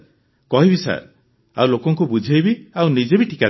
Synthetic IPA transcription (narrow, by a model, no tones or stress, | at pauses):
kɔɦibisa̰ɾ | a̰wlokɔŋkubud͡ʒʱejbiawnid͡ʒebiʈʰi̥ka